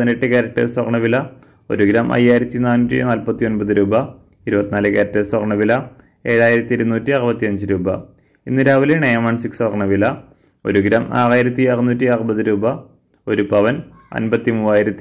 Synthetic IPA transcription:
ineʈːɨkɐɾɐʈːɨ̰swɐrɳɐʋilɐ | o̞̰ɾuɡɾaːmʔɐ̰jːaːjiɾɐt̪ːinaːnuːtʲːḭnaːlpɐt̪ːio̞nbɐðɨɾuːbɐ | iɾubɐt̪ːinaːlɨkɐɾɐtːɨswɐrɳɐʋilɐ | e̞ːɻaːjiɾɐt̪ːiiɾunuːtːiɐrubɐt̪ːiɐɲd͡ʑɨɾuːbɐ | inːɨɾaːʋileɳejɐmaːɳsiksʋɐrɳɐʋilɐ | o̞̰ɾuɡɾaːma̰ːraːjiɾɐt̪ːiɐrunuːtːiɐrɐbɐðɨɾuːbɐ | o̞ɾupɐʋɐn | ɐ̰nbɐt̪ːimuːʋaːjiɾɐt̪ːi

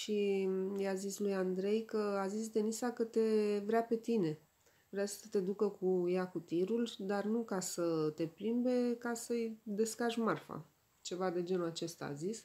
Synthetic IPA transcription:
ʃijazislujand̪ɾe̞jkəazis̬d̪e̞nisakət̪e̞vɾeape̞t̪ine̞ | vɾeasə̥sət̪e̞d̪ukəkujakut̪iɾuld̪arnukasət̪e̞plimbe̞kasəjd̪e̞skaʒmarfa̰ | t͡ʃe̞vad̪e̞d͡ʒe̞nuat͡ʃe̞st̪a̰ːzis

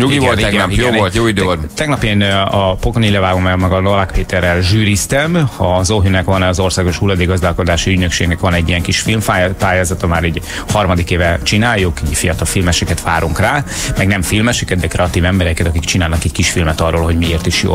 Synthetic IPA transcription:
ɲuɡiɡolt̪iɛɡnjoolt̪joːid̪øt̪ɛɡnɒpeːnɒpokonilɛvaːɡomɛlmɛɡɒnolakpeːt̪ɛrːɛlʒyːɾist̪ɛmɒzoɦynɛkʋɒnːzo̞rsaːɡo̞ʃhulːɒd̪eːɡɒzd̪aːlko̞d̪aːʃiyɟnøkʃḛːɡnɛkʋɒnɛɟːijɛŋkiʃfilmfapaːjaːzɒt̪ɒmaːɾɛɟ | hɒrmɒd̪ikeːvɛt͡ʃinaːjːukɛɟfijɒt̪ɒlfilmɛʃɛkɛt̪ʋaːɾuŋkraː | mɛɡnɛmfilmɛʃɛkɛt̪̚d̪ɛkɾɛɒt̪iːvɛmbɛɾɛkɛt̪ɒkikt͡ʃinaːlnɒkɛɟkiʃfilmɛt̪ɒrːoːlɦo̞ɟmieːrt̪iʃjo̰ː

